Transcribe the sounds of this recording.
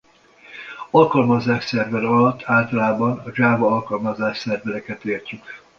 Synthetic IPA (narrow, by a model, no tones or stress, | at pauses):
ɒlkɒlmɒzaːʃsɛrvɛlɒlɒt̪ʰːaːlt̪ɒlaːbɒnɒʒaːvɒɒlkɒlmɒzaːʃsɛrvɛlɛkɛt̪eːrcyk